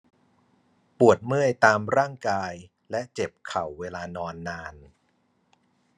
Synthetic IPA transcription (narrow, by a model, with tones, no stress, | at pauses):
pu˨˩ət̪̚mɯ˥˩əjt̪aː˧mɾaː˥˩ŋkaː˧j | lɛ˦˥ʔt͡ɕe˨˩p̚kʰa˨˩wːeː˧laː˧nɔː˧nːaː˧n